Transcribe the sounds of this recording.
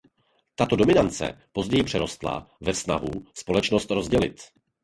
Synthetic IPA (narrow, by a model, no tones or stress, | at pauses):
t̪at̪o̞do̞mɪnant͡sɛ̰po̞zɟɛjɪpr̥ɛɾo̞st̪la̰vɛfsna̰ɦuspo̞lɛt͡ʃnost̪ɾo̞zɟɛlɪ̰t̪